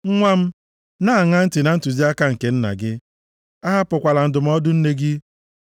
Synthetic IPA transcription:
ŋ̩˦ŋʷa˦m̩˦ | na˦a˨ŋa˦n̩˦tɪ˨na˨n̩˦tu˨zi˦a˦ka˦ŋ̩˨ke˨n̩˦na̰˨ɡɪ˦ | a˦ɦa˦pʊ˨kʷa˨la˨n̩˨dʊ˨m̩˦ɔ˦dʊ˦n̩˦ne˦ɡɪ˦

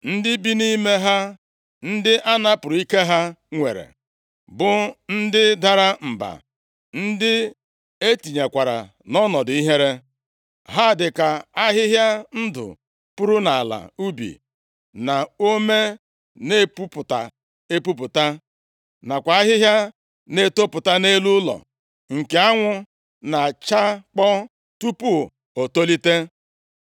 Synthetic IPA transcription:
n̩˦dɪ˦bi˦ni˦me˦ɦa˦ | n̩˦dɪ˦ʔa˦na˦pʊ˨ɾʊ˨˦i˦ke˦ɦa˦ŋʷḛ˨ɾḛ˨ | bʊ˨n̩˦dɪ˦da˨ɾa˦m̩˨ba̰˨ | n̩˦dɪ˦ | e˦ti˨ɲe˨kʷa˨ɾa̰˨ | nɔ˦nɔ˨di˦ɦe˦ɾe˦ | ɦa˦˨dɪ˨ka˨a˦ɦɪ˦ɦja˦n̩˦dʊ̰˨ | pʊ˦ɾʊ˦na˨a˨la̰˨u˦bḭ˨ | na˨o˦me˦ | ne˦pu˦pʊ˨ta̰˨ | e˦pu˦p̬ʊ˨ta˦ | na˨kʷa˨a˦ɦɪ˦ɦja˦ | ne˦to˦pʊ˨ta˦ne˦lu˦lɔ̰˨ | ŋ̩˨ke˨a˦ŋʷʊ˦ | na˨t͡ʃa˦k͡pɔ˦ | tu˦pu˦ | o˨to˦li˦te˦

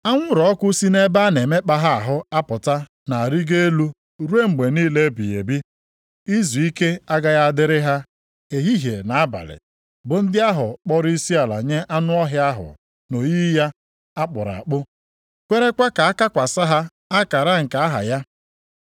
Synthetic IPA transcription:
a˦ŋʷʊ˦ɾɔ˨˦kʷʊ˦si˦ne˦ba˦ne˨me˦k͡pa˦ɦa˦a˨ɦʊ˦a˦pʊ˨ta˦ | na˨a˨ɾi˦ɡe˦e˦lu˦ | ɾu˦e˦ŋ͡m̩˨ɡ͡be˨niː˦le˦bi˨jḛ˨bi˦ | i˦zu˨i˦ke˦a˦ɡa˦ɣa˦dɪ˦ɾɪ˦ɦa˦ | e˨ɦi˦ɦje˨na˨a˦ba̰˨lɪ̰˨ | bʊ˨n̩˦dɪ˦a˦ɦʊ˨k͡pɔ˦ɾi˦si˦a˨la̰˨ɲe˦ʔa˦nʊ˦ɔ˦ɦɪ˦a˦ɦʊ̰˨ | no˨ji˦i˦ja˦ | a˦k͡pʊ̰˨ɾa̰˨k͡pʊ˦ | kʷe˦ɾe˦kʷa˦ka˨a˦ka˦kʷa˨sa˦ɦa˦ | a˦ka˨ɾa˦ŋ̩˨ka˨a˦ɦa̰˨ja˦

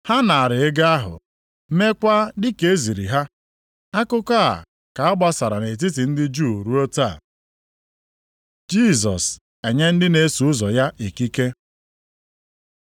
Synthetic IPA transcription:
ha˦na˨a˨ɾɪ˨e˦ɡa˦a˦ɦʊ̰˨ | me˦kʷa˦dɪ˦ke˨˦e˦zi˨ɾḭ˨ɦa˦ | a˦kʊ˦ka˦a̰˨ | ka˨a˦ɡ͡ba˦sa˨ɾa˨ne˨t̬ɪ˦tɪ˨n̩˦dɪ˦d͡ʒu˦˨ɾu˦o˦ta˦˨ | d͡ʒi˦˨zɔ̰˨s | e˨ɲe˦n̩˦dɪ˦ne˦su˨ʊ˦zɔ˨ja˦ʔi˨ki˦ke˦

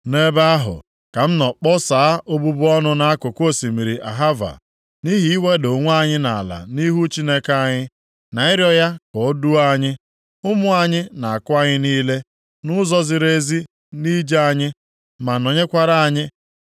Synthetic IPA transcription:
ne˦ba˦a˦ɦʊ̰˨ | ka˨m̩˦nɔ˨k͡pɔ˦saː˨a˦ʔo˦bu˦bʊ˦ɔ˦nʊ˦na˦a˦kʊ˨kʷo˦˨si˨mi˨ɾi˨ʔa˨ɦa˦va̰˨ | ni˦ɦi˨˦i˦we˦do˨ŋʷ˦a˦˨ɲɪ˦na˨la̰˨ni˦ɦu˦t͡ʃi˦ne˦ka˦˨ɲɪ˦ | na˨ɪ˦ɾjɔ˦ja˦kɔ˨˦du˦a˦ɲɪ˦ | ʊ˦mʊ˦a˨ɲɪ˦na˨a˨kʊ˦a˦ɲɪ˦niː˦le˦ | nʊ˦zɔ˦zɪ˨ɾe˦zi˦ | ni˦d͡ʒe˦a˨ɲɪ˦ | ma˨no˨ɲe˦kʷa˦ɾa˦a˦˨ɲɪ˦

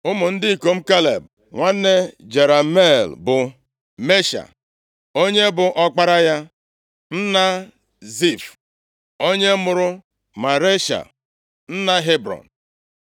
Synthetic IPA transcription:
ʊ˦mʊ˨n̩˦dɪ˦i˨ko˨m̩˦ka˦lḛ˨b̚ | ŋʷa˦nːe˦d͡ʒe˨ɾa˨me˦˨lbʊ˨ | me˦ʃa̰˨ | o˦ɲe˦bʊ˨ʔɔ˦k͡pa˦ɾa˦ja˦ | n̩˦na˦ | zi˦˨f | o˦ɲe˦mʊ˨ɾʊ˦ | ma˨ɾe˦ʃa̰˨ | n̩˦na˦ɦe˦bɾɔ̰˨n˨

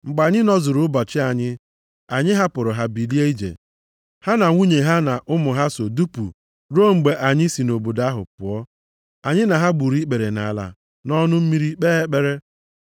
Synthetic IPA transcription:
ŋ͡m̩˨ɡ͡ba˨ɲɪ˦nɔ˦zʊ˨ɾʊ˦bɔ˨t͡ʃɪ˦a˨ɲɪ˦ | a˨ɲɪ˦ɦa˦pʊ˨ɾʊ˨ɦa˦bi˨li˦e˦i˦d͡ʒḛ˨ | ha˦na˨ŋʷu˦ɲe˨ɦa˦na˨ʔʊ˦mʊ˨ɦa˦so˨du˦pu˨ | ɾo˦˨ŋ͡m̩˨ɡ͡be˨ʔa˨ɲɪ˦si˨no˨bo˨da˦ɦʊ̰˨pʊ˨ɔ˦ | a˨ɲɪ˦na˨ɦa˦ɡ͡bu˨ɾi˦k͡pe˨ɾe˨na̰˨la̰˨ | nɔ˦nʊ˦m̩˦mi˦ɾi˦k͡pe˦e˦k͡pe˦ɾe˦

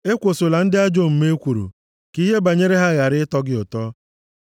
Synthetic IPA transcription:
e˦kʷo˨so˨la˨n̩˦dɪ˦a˦d͡ʒo˦m̩˨me˦kʷu˨ɾṵ˨ | ki˦ɦe˦ba˨ɲe˦ɾe˦ɦa˦ɣa˨ɾɪ˦tɔ˦ɡɪ˦ʊ˨tɔ˦

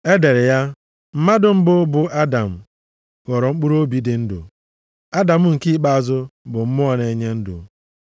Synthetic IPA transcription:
e˦de˨ɾɪ˨ja˦ | m̩˦ma˦dʊ˦m̩˦bʊ˦bʊ˦ʔa˦da˨m̩˨ | ɣɔ˨ɾɔ˨ŋ͡m̩˦k͡pu˦ɾo˦bi˦dɪ˨n̩˦dʊ̰˨ | a˦da˨m̩˦ŋ̩˨ki˦k͡pa˦a˨zʊ˦bʊ˨m̩˦mʊ˦ɔ˦ne˨ɲe˦n̩˦dʊ̰˨

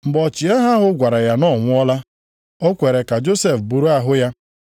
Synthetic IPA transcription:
mŋ͡m̩˨ɡ͡bɔ˨t͡ʃi˨e˦ɦa˦ɦʊ˦ɡʷa˨ɾa˨ja˨nɔ˦˨ŋʷʊ˦ɔ˦la˦ | o˦kʷe˨ɾe˨ka˨d͡ʒo˦se˨fbu˨ɾu˦a˦ɦʊ˦ja˦

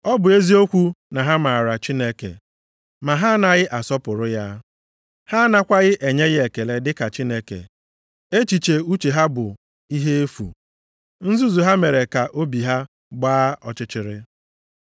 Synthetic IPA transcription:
ɔ˦bʊ˨e˦zi˦o˦kʷu˦na˨ɦa˦ma˨a˨ɾa˨t͡ʃi˦ne˦kḛ˨ | ma˨ɦa˦na˨ɣɪ˦ʔa˨sɔ˦pʊ˨ɾʊ˦ja˦ | ha˦na˦kʷa˦ɣɪ˦ʔe˨ɲe˦ɣɪ˦e˨ke˨le˦dɪ˦ka˨t͡ʃi˦ne˦kḛ˨ | e˦t͡ʃi˨t͡ʃe˨u˦t͡ʃe˨ɦa˦bʊ˨ | i˦ɦe˦e˦fṵ˨ | n̩˦zu˦zu˨ɦa˦me˨ɾe˨ka˨ʔo˦bi˨ɦa˦ | ɡ͡baː˦ʔɔ˦t͡ʃɪ˦t͡ʃɪ˨ɾɪ˦

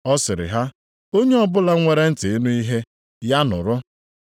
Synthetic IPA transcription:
ɔ˦sɪ˨ɾɪ̰˨ɦa˦ | o˦ɲe˦ɔ˦bʊ˦la˦ŋʷe˦ɾe˦n̩˦tɪ˨ɪ˦nu˦i˦ɦe˦ | ja˦nʊ̰˨ɾʊ˦

